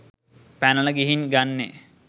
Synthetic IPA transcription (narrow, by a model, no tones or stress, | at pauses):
pænəɭəɡiɦinɡanːe